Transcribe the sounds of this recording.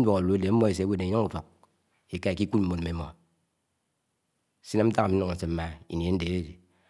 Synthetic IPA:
dʷwo˨ko˨lu˨˦e˦de˨m̩˦mo˦e˨s̬e˨˦we˦˨ne˨˦ɲo˦ŋu˨fo˨k̚ | i˨ka˦e˨ki˦kʷu˦t̚m̩˦mo˨n˨me˨˦mo̰˨ | si˦na˦m̩˦ta˦a˨m̩˦no˦ŋ̩˨se˨m̩˦ma˨ḭ˨n˨e˨n̩˦de˨˦e˦di˨

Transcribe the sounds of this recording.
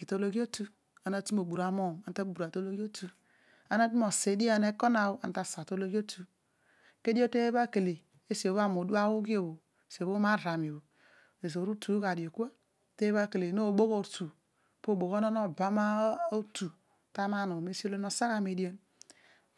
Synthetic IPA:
ki˨to˦lo˦ɡi˦o˦tu˦ | a˨na˦tu˦m˦o˨bu˨ɾa˨mo˦˨ma˨n˦ta˦bu˨ɾa˨to˦lo˦ɡo˦tu˨ | a˨na˦t̬u˦m˦o˨se˨˦di˦a˨ne˦ko˦na˨o˦a˨n˦ta˦˨sa˨to˦lo˦ɡi˦o˦tʰu˨ | ke˦di˦o˦te˦ba˦ke˨le˨ | e˦si˨o˨βa˦m˨o˨du˦a˦wu˦ɡi˦o˨bo˨ | si˨o˨βo˦ma˦ɾa˨m˨o˨bo˨ | e˨s̬o˨ɾu˦tu˨˦ka˨do˨ku˦a˦ | te˦ba˦ke˨le˨no˦˨bo˦ɣo˦˨tu˨ | po˦˨bo˨ɣo˦no˦no˨ba˨˦ma˦o˦tu˨ | ta˦ma˦no˨me˦si˦o˦lo˦no˨sa˦ka˦˨me˨di˦o˦n

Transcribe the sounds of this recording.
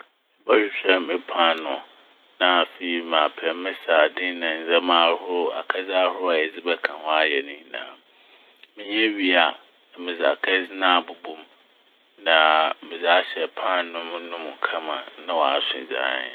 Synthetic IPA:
mɪ˨˦ba˦ɕᶣɪ˨ɕᶣɛ˦mɪ˦pʰã˦nʊ̃˨ | nã˨fe˨i˨mãː˨pʰɛ˨mɪ̃˦saː˨dɪ̃˦nã˨n̩˨d͡zɛ˦mãː˨˦hʊ˦ɾʊ˦a̰˨kʰɛ˦d͡za˦hʊ˦a˨jɛ˨d͡zɪ˦bɛ˦kʰã˨hɔ̃˦a˦jɛ˨nĩ˦nã̰˨ | mɪ̃˦ɲɛ̃˦ɥi˦a˨ | mɪ̃˨za̰˨kʰɛ˦d͡zɪ˦nã˦˨bu˨bũ˦m | nã˨mɪ̃˨za˦ɕɛ˨pʰã˦nʊ̃˦mʊ̃˦nʊ̃˦m˨kʰã˦mã̰˨nã˦wɔ˨a˦sɪ̰̃˨d͡ʑa̰˨˦nɪ̰˨

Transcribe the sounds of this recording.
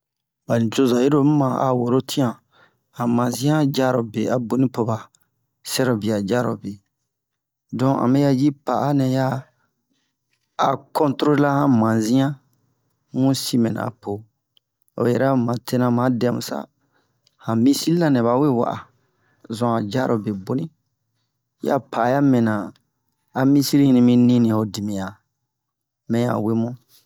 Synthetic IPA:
ba˨ni˨t͡ʃo˦za˨je˦ɾo˦m̩˦mã˨a̰˨wo˨ɾo˦tʰĩ˦ã˨ | hã˨mã˨nzĩ˦ã˦d͡ʒa˦ɾo˨be˨a˨bo˦nĩ˦po˨ba˨ | sɛ˦ɾo˨bi˨a˨d͡ʒa˦ɾo̰˨be˨ | dɔ̃˦a̰˨mɛ̃˦ja˦ji˦pa˨a˦nɛ̃˨ja˦˨ | kɔ̃˦ntɾo˦la˦hã˦mã˨zĩ˦ã˦ | mũ˦si˦mɛ̃˨nã̰˨pʰo˨ | o̰˨jɛ˨ɾa˦mã˨tʰe˦nã˧mã˨˦dɛ˨˦mũ˨sa̰˦ | hã˨mĩ˦si˦i˦lã˦nɛ̃˨βa˨˦we˦wa̰˨ʔa̰˨ | zɔ̃˨a˨d͡ʒa˦ɾʔo˨be˨bo˦nĩ˦ | ja̰˦pʰa˨ja˦mɛ̃˨nã˨ | a˨mĩ˦si˦ɾi˦nĩ˧mĩ˦nĩ˦nĩ˨o˨di˨mĩ˨ja˨ | mɛ̃˨ja̰˨we˦mɔ̃˦

